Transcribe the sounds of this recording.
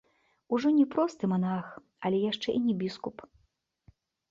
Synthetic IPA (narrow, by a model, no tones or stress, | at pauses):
uʐɔnʲɛpɾɔst̪ɨmanax | ɐlʲɛjaʂt͡ʂɛʔinʲɛbʲiskup